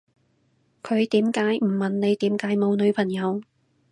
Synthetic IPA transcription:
kʰɵ˨˧ɥt̪iː˨˥mkaː˨˥jm̩˨˩mɐ˨nne˨˧jt̪iː˨˥mkaː˨˥jmo˨˧wnɵ˨˧ɥpʰɐ˨˩ŋjɐ˨˧w

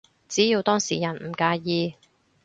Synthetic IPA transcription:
t͡siː˨˥jiː˧wt̪ɔː˥ŋsiː˨˩jɐ˨˩nm̩˨˩kaː˧jiː˧

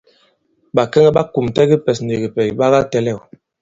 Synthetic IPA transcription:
ɓa˨kɛ˦ŋɛ˦ɓa˦ku˨mtɛ˦ɡi˦pɛ˨sn̩de˨ɡi˨pɛ˨ɓa˦ɣa˦tɛ˦lɛ˦˨

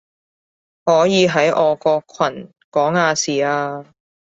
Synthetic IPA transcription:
hɔː˨˥jiː˨˧ɦɐ˨˥jʔɔː˨˧kɔː˧kʰwɐ˨˩n | kɔː˨˥ŋaː˧siː˨˩aː˧

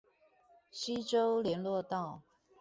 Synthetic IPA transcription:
ɕi˥ʈ͡ʂo˥˦ʊljɛ˧˥nlwɔ˥˧t̪ɑ˥˨ʊ

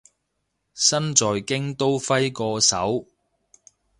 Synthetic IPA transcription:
sɐ˥nt͡sɔː˨jkɪ˥ŋt̪o˥wfɐ˥jkɔː˧sɐ̰˨˥w

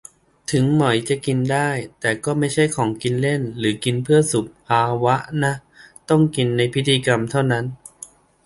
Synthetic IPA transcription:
t̪ʰɯ˩˦ŋmɔ˨˩˦jt͡ɕa˨˩ʔki˧ndaː˥˩jt̪ɛː˨˩kɔː˥˩ma˥˩jt͡ɕʰa˥˩jkʰɔː˩˦ŋki˧nle˥˩nlɯː˩˦ki˧npʰɯ˥˩ɐsu˨˩p̚pʰaː˧wa˦˥ʔna˦˥ | t̪ɔ˥˩ŋki˧nːa˧jpʰi˦˥t̪ʰːiː˧ka˧mt̪ʰa˥˩wna˦˥n

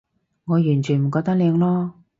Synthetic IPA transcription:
ŋɔː˨˧jyː˨˩nt͡ʃʰy˨˩m̩˨˩kɔː˧k̚t̪ɐ˥k̚liː˨˧ŋlɔː˥

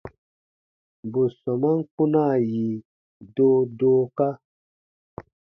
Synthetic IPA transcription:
bu˨sɔ˨ma˦ŋ̩˦ku˦na˦˨ji˨ | doː˦doː˦ka˦

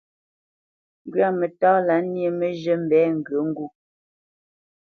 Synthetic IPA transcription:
ŋ˦ɡɥa˦˨me˨tɔː˦la˨˦nje˨me˦ʒə˦m̩˦bɛː˨˦ŋ̩˨ɡə˨˦ŋ̩˦ɡu˦˨

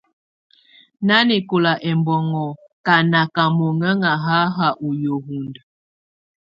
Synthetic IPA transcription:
na˦ni˨ko˨la˨ʔɛ˨mbɔ˨ŋɔ˨ | ka˨na˨ka˨mo˨ŋə˦ŋa˨ɦa˦ɦa˨ʔu˨jo˨ɦu˨ndə˨

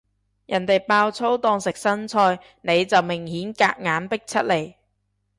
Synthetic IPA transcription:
jɐ˨˩nt̪e˨jpaː˧wt͡sʰo˥wt̪ɔː˧ŋsɪ˨k̚sɐ˥nt͡sʰɔː˧j | ne˨˧jt͡sɐ˨wmɪ˨˩ŋhiː˨˥nka̰ː˧k̚ŋaː˨˥npɪ˥k̚t͡sʰɐ˥t̚le˨˩j

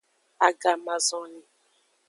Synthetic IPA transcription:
a˨ɡa˨ma˨zɔ˨ni˨

